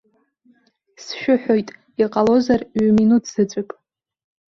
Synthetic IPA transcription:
sʃᶣʊħᶣojtʼ | iqʼalo̞zarɥminutʰz̥ɨt͡sʷʼɨpʼ

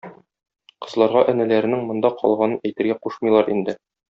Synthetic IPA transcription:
qɤ̆zlˠɑɾʁɑʔæ̆nælæɾɘ̆nɘŋmŏnd̪ɑqʰɒ̰lˠʁɑnɤnæjt̪ɘ̆ɾɡæquʃmɤ̆jlˠɑɾind̪ɘ

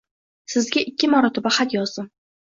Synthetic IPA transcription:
sɪzɡʲaɪkʲːɪmɒɾɒt̪ʰɪbahat̪jɒzd̪ɪm

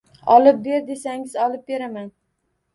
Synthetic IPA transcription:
ɒlˠɪp̚be̞ɾd̪e̞saŋɪzɒlˠɪp̚be̞ɾaman

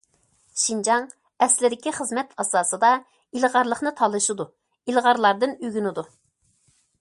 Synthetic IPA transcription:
ʃind͡ʒɑŋ | ɛslɪd̪ɪkʲiχəzmɛt̪ʰɑsɑːsɨd̪ɑ | ilʁɑɾlˠəχnɨt̪ʰɑlˠɨʃud̪u | ilʁɑɾlˠɑɾd̪ɨnyɡʲynɪd̪u

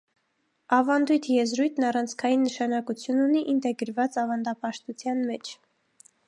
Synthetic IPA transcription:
ɑvɑnd̪ujt̪ʰjɛzɾujt̪ʰnɑrɑnt͡sʰkʰɑjinːəʃɑnɑkut͡sʰjununiʔint̪ɛɡəɾvɑt͡sɑvɑnd̪ɑpɑʃt̪ut͡sʰjɑnmɛt͡ʃʰ

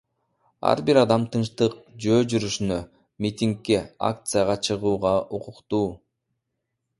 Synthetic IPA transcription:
ɑ̰ɾbiɾɑd̪ɑmt̪ʰɯnʃt̪ɯq̚d͡ʒøːd͡ʒyɾyʃynø | mʲit̪ʲiŋkːe̞a̰k̚t̪sɨjaʁɑt͡ʃʰɯʁuːʁɑʔuqʊqt̪uː

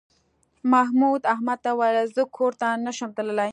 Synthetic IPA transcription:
maɦmud̪ahmad̪̚t̪awaɾazəkʰoɾt̪anaʃəmt̪ələlaj

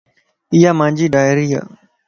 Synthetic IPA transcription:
ɪjaːmãːɲd͡ʒiːɖaːjɾiːɦa̰ː

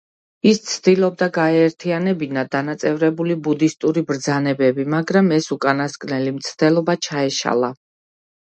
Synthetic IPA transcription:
ist̪sʰd̪ilˠɔb̚d̪aɡaɛːɾt̪ʰianɛbinad̪anat̪sʼɛvɾɛbulibud̪ist̪ʼuɾibɾd̪zanɛbɛbimaɡɾamɛsukʼanaskʼnɛlimt̪sʰd̪̥ɛlˠɔbat͡ʃʰaɛʃa̰lˠa

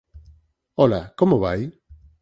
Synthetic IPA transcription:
olakomoβaj

